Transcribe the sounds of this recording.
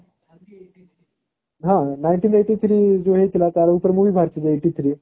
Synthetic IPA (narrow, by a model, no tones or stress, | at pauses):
ɦãnajɳʈiːneʈiːt̪ʰɾiːd͡zoɦet̪ilat̪aɾupəɾmuʋiːbʱaɾt͡ɕid͡zeʈiːt̪ʰɾiː